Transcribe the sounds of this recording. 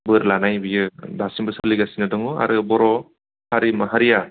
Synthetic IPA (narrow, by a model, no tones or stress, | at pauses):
bɯɾlanajbijɯdasimbɯsɯliɡasinɯdɔŋua̰ɾɯbɔɾɔ | haɾimɯɦaɾija